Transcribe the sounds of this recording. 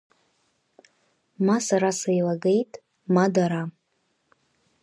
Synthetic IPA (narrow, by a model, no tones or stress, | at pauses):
masaɾasajlaɡe̞jtʼ | madaɾa